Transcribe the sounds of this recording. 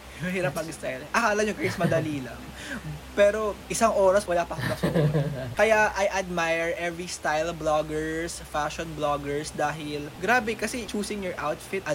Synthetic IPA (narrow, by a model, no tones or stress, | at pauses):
jʊŋɦiːɾɐp̚mɐɡst̪ajlʔɐkaːlɐɲokesmɐd̪ɐliːlɐŋ | pɛːɾo̞ʔɪsaŋʔoːɾɐswɐlapɐkmɐɡ̚sʊkukɐjaʔɐjʔɐd̪̚majɛɹʔɛvɹist̪ajlbloɡɛɹsfaʃonbloɡɛɹsd̪aːɦɪlɡɾaːbɛkɐsɛt͡ʃuːsɪŋjɔɹʔawt̪fɪt̪ɐ